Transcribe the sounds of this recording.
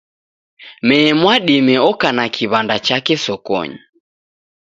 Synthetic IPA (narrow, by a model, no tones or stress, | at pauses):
mɛːmwaɗimɛɔkanakʰiβandat͡ʃakɛsɔkɔ̰ɲi